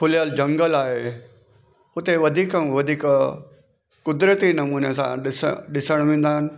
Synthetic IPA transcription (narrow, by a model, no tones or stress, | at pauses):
kʰʊljaːld͡ʒɐ̃ŋɡəlaːɦe | ʊt̪eʋɐd̪ʱiːkəmʋɐd̪ʱiːk | kʊd̪ɾət̪inɐmuːnesã̰ɖɪsɖɪsəɽ̃ʋɪ̃nd̪aːn